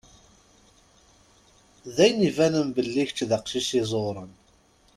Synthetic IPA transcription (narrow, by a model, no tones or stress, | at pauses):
ðæjnivænənbəlːiçt͡ʃːðəqʃisizˤoɾˤən